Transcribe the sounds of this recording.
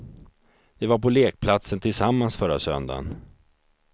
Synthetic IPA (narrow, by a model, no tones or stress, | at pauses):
vɪvaɾpɔleːk̚pʰlat̪sənt̪ʰɪlsamːansfœɾa̰sœ̰nd̪a̰n